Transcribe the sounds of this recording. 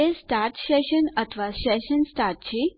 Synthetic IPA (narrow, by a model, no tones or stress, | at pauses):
esʈaɾʈseʃənət̪ʰʋaseʃənsʈaɾʈt͡ɕʰi